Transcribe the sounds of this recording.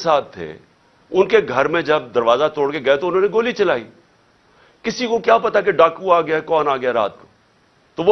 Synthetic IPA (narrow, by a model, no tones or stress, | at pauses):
saːt̪ʰːḛː | ʊnkeɡʱɐɾmẽd͡ʒɐb̚d̪ɐɾʋaːzat̪oːɽkeɡɐet̪oʊnɦõːneɡoːlit͡ʃɐlaːiː | kɪsikokjaːpɐt̪ak̬eɖaːkuaːɡɐjakɔːnaːɡɐjaɾa̰ːt̪̚koː | t̪oʋ